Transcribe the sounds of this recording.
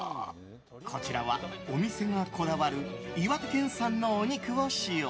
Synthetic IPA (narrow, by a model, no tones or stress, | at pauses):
kʰo̞t͡ɕiɾa̰βa̰omʲise̞ŋakʰo̞d̪aβaɾɯ̟iβak̪ɯkẽ̞ɰ̃sãnːo̞ːɲ̟ikɯɡoɕio